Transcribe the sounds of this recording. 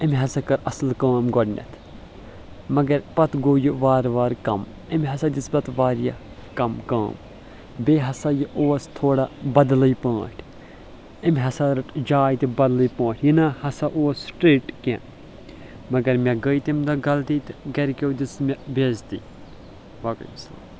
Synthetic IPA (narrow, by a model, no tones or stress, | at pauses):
ɐmʲɦɐsɐkɐɾʔɐslkãːmɡɔɖnʲɐ̰t̪ʰ | mɐɡɐɾpɐt̪ɡoːjuʋaːɾʋaːɾkɐm | ɐmʲɦɐsɐd̪ʲisbɐt̪ʋaːɾjɐ̰ | kɐmka̰ːm | beːɦɐsajiʔoːst̪ʰoːɽabɐd̪ləjpãːʈʰ | imʲɦɐsaɾɐʈd͡ʒaːjt̪ibɐd̪ləjpãːʈjinahɐsaʔoːsːʈɾeːʈkḛ̃ | mɐɡɐɾmʲaɡəjt̪imd̪ɐɡɐlt̪iːt̪ɡɐɾkʲewd̪ismʲɐbeːzt̪i | ʋaːkɐ̰jsla̰ːm